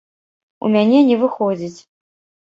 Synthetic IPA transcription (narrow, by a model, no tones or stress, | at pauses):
ṵmʲanʲɛnʲɛvɨxɔd͡zʲit͡sʲ